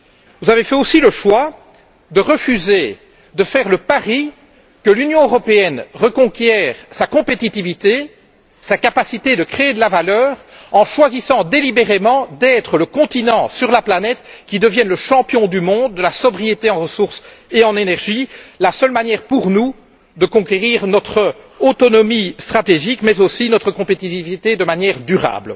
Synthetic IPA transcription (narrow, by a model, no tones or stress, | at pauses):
vuzavefɛosiləʃwa | d̪əʁəfyze | d̪əfɛːʁləpaʁi | kəlynjɔ̃øʁɔpeɛnʁəkɔ̃kʲjɛːʁsakɔ̃pet̪it̪ivit̪e | sakapasit̪ed̪əkχeed̪əlavalœːʁ | ɑ̃ʃwazisɑ̃d̪elibeʁemɑ̃d̪ɛt̪χələkɔ̃t̪inɑ̃syʁlaplanɛt̪kʲid̪əvjɛnləʃɑ̃pjɔ̃d̪ymɔ̃ːd̪̚ːəlasɔbʁijet̪eɑ̃ʁəsuʁs | eɑ̃nenɛʁʒilasœlmanjɛʁpuʁnu | d̪əkɔ̃kʲeʁiːʁnɔt̪χə | ot̪ɔnɔmist̪χat̪eʒikmɛzosinɔt̪χəkɔ̃pet̪ivivit̪ed̪əmanjɛːʁd̪yʁa̰ːbl